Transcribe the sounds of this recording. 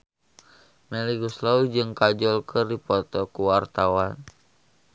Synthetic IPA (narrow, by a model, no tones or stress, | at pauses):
mɛliɡuslaud͡ʒɨŋkad͡ʒɔlkʰərdipɔt̪ɔkuwart̪awan